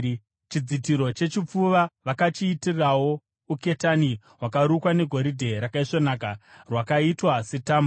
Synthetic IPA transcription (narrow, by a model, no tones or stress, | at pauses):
t͡ʃid͡zitiɾo̞t͡ʃe̞t͡ʃip͡fuʋaʋakat͡ʃiːtirawo̞ | uke̞tani | ɦwakaɾukwane̞ɡʱo̞ɾidʱe̞ɾakaiʂonaːkarwakaitwase̞taːmb